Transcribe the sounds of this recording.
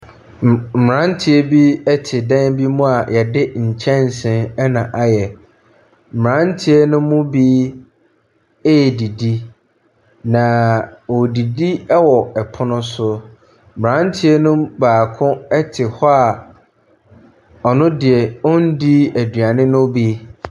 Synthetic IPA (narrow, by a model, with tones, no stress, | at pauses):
m̩˨ɾã˦n˦tʰi˦ɛ˦bi˦ɛ˦tʰɪ˨dɛ̃˦nbi˦mũ˦a˨jʔɛ˨dɪ˦ɲ̩˨t͡ɕʰɛ̃˦n˨sɪ̃˨nɛ˦nã˨ʔa˨jɛ˨ | m̩˨m˨ɾã˦ntʰi˦ɛ˦nʊ̃˦mʊ̃˦biː˦ | e˦˨di˨di˦ | nã˨wɔ˨di˨di˦ɛ˦wɔ˨ɛ˨pʰʊ˦nʊ̃˦sʊ˦˨ | m˨ã˦n˦tʰi˦ɛ˦nʊ̃˦baː˨kʰʊ̃˦ɛ˦tʰɪ˨hɔ˦a˨ | ɔ˨nʊ̃˦dɪ˨ɛ˨ɔ̃˦n˦di˦æ˨dɥa˨nɪ̃˦nʊ̃˦bi˦